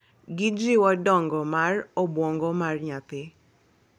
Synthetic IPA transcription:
ɡid͡ʒiwɔdɔŋɡɔmarɔbwɔŋɡɔmarɲat̪ɪ

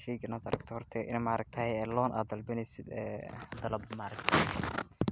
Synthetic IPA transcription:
fiːɡɐnaːd̪ɐ̰ɾɐ̰ɡt̪ʰɔhɔrt̪ʰɛʔɪ̰nmaʔɾɐɡ̚t̪ʰɐhɛjɛːlɔːnʔa̰ːd̪ɐlbɪnɛjsɪd̪ɛ̰ːd̪ɐlɐbmaɾɐkt̪ʰɐ

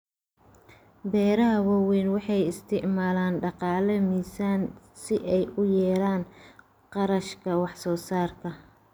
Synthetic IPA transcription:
bɛːɾɐɦɐwɐwɛnwɑħɑjɪst̪ʰɪʕmaːlaːnɖɑqɑːlɐmiːsaːn | sɪʔɛjʊjɛːlaːn | qɑɾɐʃkʰɐwɑħsɔːsaːrkʰɐ

